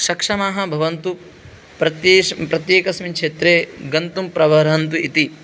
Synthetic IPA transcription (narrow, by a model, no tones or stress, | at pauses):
ʃɐkʂɐmaːɦɐbʱɐʋɐnt̪u | pɾɐt̪pɾɐt̪jeːkɐsmikʂeːt̪ɾeːɡɐnt̪umpɾɐʋɐɾɐnt̪uit̪i